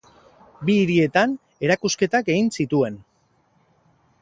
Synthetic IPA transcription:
biːɾie̞t̪an | e̞ɾakuske̞t̪ake̞ɣinsit̪ue̞n

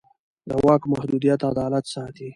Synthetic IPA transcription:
d̪əwɑkmahd̪ud̪ijat̪ad̪ɑlat̪sɑt̪i

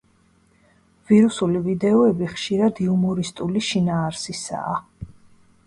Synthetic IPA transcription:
v̥iɾusulivid̪ɛɔɛbiχʃiɾad̪iumɔɾist̪ʼuliʃinaːɾsisa̰ː

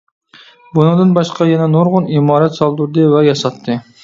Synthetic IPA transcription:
bunɨŋd̪ɨnbɑʃqʰɑjɛnɛnoɾʁʊnimɑːɾɛt̪sɑlˠd̪uɾd̪ɨvɛjɑsɑt̪ʰːɨ

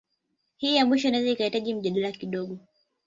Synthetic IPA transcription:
hiːjamwiʃɔinaɛzaikahitaʄim̩ʄaɗalakiɗɔɠɔ

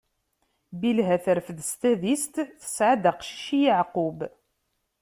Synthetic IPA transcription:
bilɦæθəɾfðst̪æðist̪θə̥sʕad̪aqʃi̥ʃijəʕqʊb

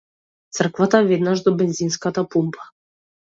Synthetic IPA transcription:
t̪sər̩kvat̪avɛd̪naʒd̪ɔbɛnzinskat̪apumpḁ

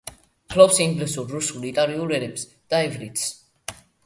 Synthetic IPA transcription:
χʰlɔpsiŋɡlɛsuɾːusulit̪ʼaɾiuɾɛɾɛps | d̪̥aɛvɾit̪s

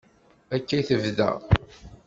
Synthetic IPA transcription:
ækːæθəvðæ̰

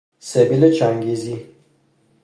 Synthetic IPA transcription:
sebilet͡ʃaŋɡizi

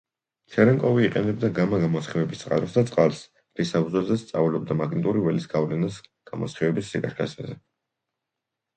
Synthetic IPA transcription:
t͡ʃ̪ʰɛɾɛŋkʼɔviːqʼɛnɛb̚d̪aɡamaɡamɔsχivɛbist̪sʼqʼa̰ɾɔsd̪at̪sʼqʼalˠs | ɾisabuzwɛlzɛst̪sʼavilɔb̚d̪amaɡnit̪ʼuɾivɛlisɡ̥avlɛnasɡ̥amɔ̰sχivɛbisːikʼaʃkʰasazɛ

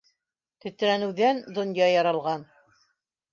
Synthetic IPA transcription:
t̪ɵ̆t̪̆ɾænɘ̆wðænd̪ŏnjɑjɑɾɑlˠʁɑn

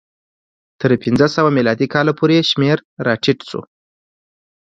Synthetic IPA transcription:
t̪əɾpind͡zəsəwamilɑd̪ikɑlapʰoɾeʃmeɾɾɑʈʰiʈsṵ

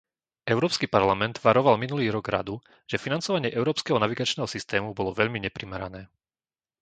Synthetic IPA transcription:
ʔɛʊɾɔːpskipaɾlamɛnd̪ʋaɾɔʋalminuliːɾɔɡɾa̰d̪u | ʒ̥ɛfinant͡sɔʋaɲɪɛʔɛʊɾɔːpskɛːɦɔnaʋiɡat͡ʃnɛːɦɔsist̪ɛːmubɔlɔʋɛʎmiɲɛpɾimɛɾanɛː

